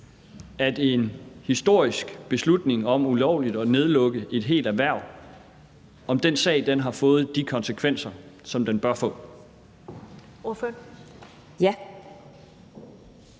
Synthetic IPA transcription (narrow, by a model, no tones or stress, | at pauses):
æd̥enhisd̥o̝ɐ̰isɡ̥b̥e̝slud̥ne̝ŋɒ̽m̰ulɒʊ̰lid̥ɒ̽ne̝ð̞ˠlɔ̽ɡ̥əʔe̝d̥ɦe̝̰ːld̥æʋæɐ̰ | ɒ̽md̥ensɛ̰ɪd̥enɦɑ̈fɔ̽ːð̞̩ˠd̥ikʰɒ̽nsəkʰʋen̰sɐsɒ̽md̥enb̥ɶɐfɔ̰̽ː